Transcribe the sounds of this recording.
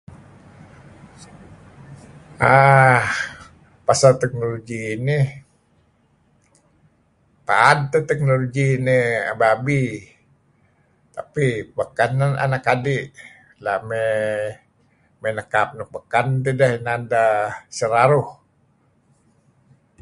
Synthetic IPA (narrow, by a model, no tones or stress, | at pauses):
ah | pasalt̪ɛk̚noloɡiːni | pa̰ad̚t̪ət̪ɛk̚noloɡinia̰babi | t̪apibəkanana̰nakadɪʔ | lame | menəkap̚nʊbəkant̪edəhnadasəɾaɾʊh